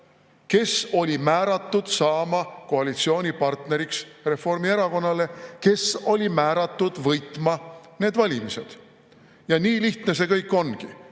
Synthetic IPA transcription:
ke̞so̞lʲimæːɾɑt̪ˑːud̪̥sɑːmɑko̞ɑlit̪sio̞ːnʲipɑrt̪ne̞ɾiksre̞fo̞rmie̞ɾɑko̞nːɑle̞ke̞so̞lʲimæːɾɑt̪ːˑud̪̥vɤjt̪ːˑmɑne̞ːd̪vɑlʲimise̞d̪̥ | jɑniːliht̪ne̞s̬e̞kɤjkːˑo̞nɡi

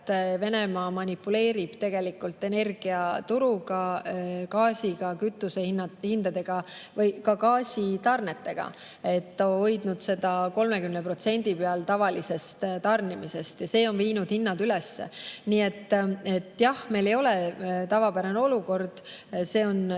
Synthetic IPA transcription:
t̪ːve̞ne̞mɑːmɑnʲipːule̞ːɾib̥t̪e̞ɡ̥e̞likːˑult̪ːˑe̞ne̞rɡ̥iɑt̪uɾuɡ̥ɑkɑːsiɡ̥ɑkyt̪ːˑusehinːɑhind̪ɑd̪e̞ɡ̥ɑvɤjkɑkɑːsʲit̪ɑrne̞t̪ːe̞ɡ̥ɑ̰ | e̞t̪ːoojd̪nud̪̥se̞d̪̥ɑko̞lmekymnepɾro̞t̪se̞nʲd̪̥ipeɑlt̪ɑvɑlise̞st̪t̪ɑrnimise̞st̪jɑse̞ːo̞nviːnud̪̥hinːɑd̪ylesːḛniːe̞t̪ːe̞t̪ːjɑhme̞lejo̞let̪ɑvɑpæɾɑneo̞luko̞rd̪̥se̞ːo̞n

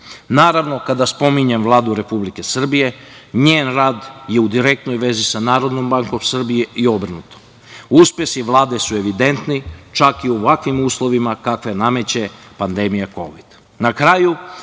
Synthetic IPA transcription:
naːɾaʋno̞kad̪aspo̞miɲemʋlˠaːd̪uɾe̞publike̞sr̩bije̞ɲeːnɾaːd̪je̞ud̪iɾe̞k̚t̪no̞jʋe̞zisanaːɾo̞d̪nombaŋkomsr̩bijeʔio̞br̩nut̪o̥m | uspje̞siʋlˠaːd̪e̞sue̞ʋid̪e̞nt̪nit͡ʃakioʋakʋimuːslˠo̞ʋimakakʋename̞t͡ɕe̞ | pand̪e̞mijako̞̰ʋid̪̥ | nakɾaːju

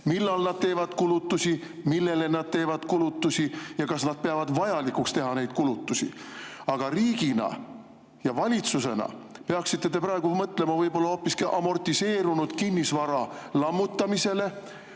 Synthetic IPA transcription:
milːɑlnɑd̪̥̚t̪e̞ːvɑd̪̥kulut̪ːusʲi | milːe̞le̞nɑd̪̥̚t̪e̞ːvɑd̪̥kulut̪ːusijɑkɑsnɑd̪̚peɑvɑd̪vɑjɑlikːukst̪e̞ɦɑne̞jd̪̥kulut̪ːˑusḭɑɡ̥ɑriːɡ̥inɑ̰ | jɑvɑlʲit̪suse̞nɑ̰peɑksit̪ːe̞t̪e̞pɾɑe̞ɡumɤt̪ːle̞mɑvɤjbo̞lːɑho̞pːˑiskiʔɑmo̞rt̪ise̞ːɾunud̪̥kinʲːisvɑɾɑlɑmːut̪ːɑmise̞le̞

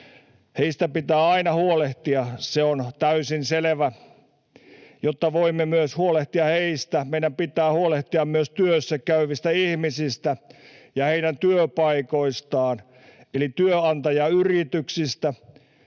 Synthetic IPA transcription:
heist̪æpit̪æːɑinɑhuoleht̪iɑseont̪æysinseleʋæ | jot̪ːɑʋoimːemyøshuoleht̪iɑheist̪æmeiɾæmpit̪æːhuoleht̪iɑmmyøst̪yøsːækæyʋist̪æihmisist̪æjɑheiɾænt̪yøpɑikoist̪ɑːn | elit̪yøɑnt̪ɑjɑyrit̪yksist̪æ

